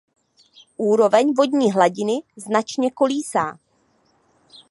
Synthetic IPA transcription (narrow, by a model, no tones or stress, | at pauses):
ʔuːɾo̞vɛɲvo̞d̪ɲiːɦlaɟɪnɪznat͡ʃɲɛko̞liːsaː